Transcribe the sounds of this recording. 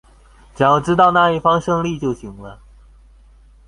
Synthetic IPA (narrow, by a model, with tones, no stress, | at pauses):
t͡ɕjɑ˨˧˩ʈ͡ʂɻ̩˥t̪ɑ˥˧ʊna˥˧i˥˩fɑ˥ŋʂɤ˥˧ŋli˥˧t͡ɕjo˥˩ʊɕi˧˥ŋlə˧˥˦